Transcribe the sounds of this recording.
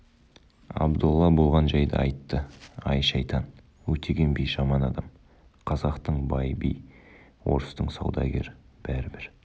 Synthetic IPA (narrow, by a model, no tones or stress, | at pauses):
ɑ̰bd̪ulˠːɑbo̞lˠʁɑnʒɑjd̪ə̰ɑjt̪ːəɑjʃɑjt̪ɑn | wɵt̪ʰeɡʲe̞nbejʒɑmɑnɑd̪ɑm | qʰɑzɑqt̪əɴbɑjbḭj | wo̞̰ɾəst̪əɴsɑ̰wd̪ɑ̰ɡʲe̞̰ɾɪ | b̥æɾɪbɪɾ